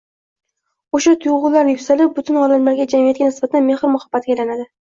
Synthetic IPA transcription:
oʃat̪ʰʊjʁʊlˠlːaɾnjʊpʲsalɪp̚bʊt̪ʰɪnɒlamlaɾɡʲad͡ʒamijat̪̚ʲanɪsbat̪ʰanme̞hɾmʊhab̥ːat̪̚ɡʲajlanad̪ɪ

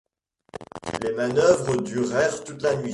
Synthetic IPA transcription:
lemanœvʁəd̪yʁɛʁt̪ut̪lanɥi

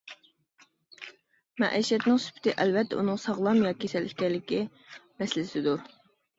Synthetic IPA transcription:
mɛ̰ʔḭjʃɛt̪nɪŋsy̥pʰɪ̥t̪ʰɪʔɛlvɛt̪ʰːɛunɨŋsɑʁlˠɑmjɑːkʲʰesɛlʔikʲɛlːɪkʲi | mɛsɪlɪsɪd̪uɾ

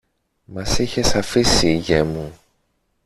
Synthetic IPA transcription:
mɐsiçe̞sɐfisiːʝemu

